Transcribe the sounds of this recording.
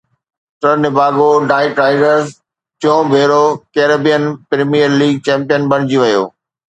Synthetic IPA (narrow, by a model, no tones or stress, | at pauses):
ʈəɾnɪbʱaːɡoɖaːiʈɾaːɪɖəɾz | t͡ɕõːbʱeːɾokeːɾeːbijənpɾeːmijəɾliːɡ̚t͡ɕɛ̃ːmpijənbɐɽ̃ɪd͡ʑiʋɐjo̰ː